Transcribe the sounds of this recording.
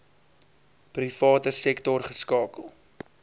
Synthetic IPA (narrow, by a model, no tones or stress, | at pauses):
prifɑːtəsɛktɔrχəskɑːkəlˠ